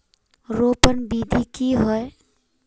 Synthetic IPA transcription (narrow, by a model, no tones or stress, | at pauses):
ɾopənbid̪ʱikiɦoe